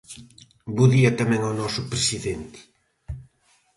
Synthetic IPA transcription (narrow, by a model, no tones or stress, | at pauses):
buðiɐt̪amɛ̃ŋonɔsʊpɾesiðent̪ɪ̥